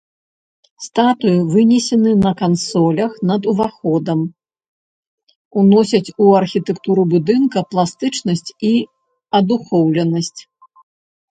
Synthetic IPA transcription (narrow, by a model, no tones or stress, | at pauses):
st̪at̪ujivɨnʲɛsʲɛnɨnɐkansɔlʲɐxnɐd̪uvaxɔd̪ɐm | unɔsʲɐt͡sʲuɐrxʲit̪ɛkt̪uɾubud̪ɨnkɐplˠast̪ɨt͡ʂnɐsʲt͡sʲi | ɐd̪uxɔwlʲɛnɐsʲt͡sʲ